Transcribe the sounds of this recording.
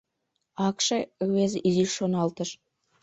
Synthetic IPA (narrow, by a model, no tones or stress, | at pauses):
ɑkʃɤwezʔiziʃonɑlˠt̪ə̆ʃ